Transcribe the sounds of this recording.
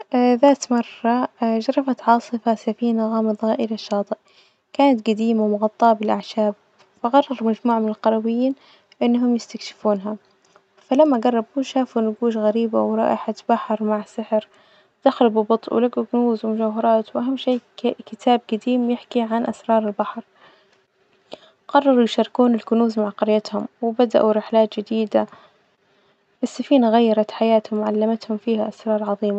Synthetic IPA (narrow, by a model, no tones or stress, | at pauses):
ðaːt̪mɑrˤːɑʒɑɾˤɑfat̪ʕɑːsˤɨfasafiːnaɣaːmaðˤɣaːʔɪlaʃːɑːt̪ˤɨʔ | kaːnat̪ɡad̪iːmawmʊɣɑt̪ˤːɑːbɪlʔaʕʃaːb̚ | faɣɑrˤːɑɾˤmad͡ʒmuːʕmɪnɪlqɑɾˤɑbɪjːiːn | ʔɪnːɦʊmjɪst̪akʃɪ̥fuːnɦa | falamːaɡɑrˤːɑbuʃaːfunɡuːʃɣaɾiːbawɾˤɑ̰ːʔɪħat̪b̥aħɾˤmaʕsɪħɾ | d̪̥axɾɪbubɨt̪ˤʔwɪ̰laɡuɡʊnuːzwɪmʊʃaːɦɑɾˤɑːt̪wʔaɦamːʃeːkɪt̪ʰaːb̚ɡad̪iːmjɪħkiʕanʔasɾˤɑːɾˤɪlbaħɾˤ | qɑrˤːɑɾˤujʃɑɾˤɪkuːnɪlɡʊnuːzmaʕqɑɾjat̪hʊmwɪbad̪a̰ʔuɾɪħlaːt̪d͡ʒɪd̪iːd̪a | bɪsːafiːnaɣajːɑɾˤɑt̪ħajaːt̪hʊmʕalːamat̪hʊmfiːhaʔasɾˤɑːɾˤʕɑðˤiːma